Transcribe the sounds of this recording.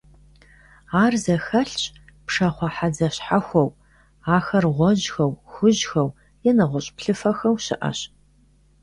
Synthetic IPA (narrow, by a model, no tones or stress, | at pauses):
aːrzɐxɐɬɕʼ | pʂɐχʷɔħad͡zɐɕħaxʷɔw | aːxɐrʁʷɔʒxɐwxʷʊʑxɐw | jɛnɨʁʷɔɕʼpɬɨfɐxɐwɕɪ̰ʔɐ̰ɕ